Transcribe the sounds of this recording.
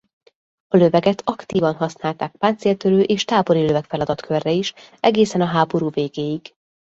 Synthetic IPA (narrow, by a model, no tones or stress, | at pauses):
ɒlø̞vɛɡɛt̪ʰɒkt̪iːvɒnɦɒsnaːlt̪aːk̚paːnt̪seːlt̪øɾøːʔeːʃt̪aːbo̞ɾiløvɛkfɛlɒd̪ɒt̪kʰørːɛiʃɛɡeːsɛnɒɦaːbo̞ɾuːveːɡeːjiɡ